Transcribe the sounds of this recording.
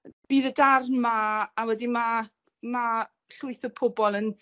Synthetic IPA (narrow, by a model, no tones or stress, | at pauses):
b̥iːðədarmaːwɛdima | ma | ɬʊɨθəpʰʊbɔlˠən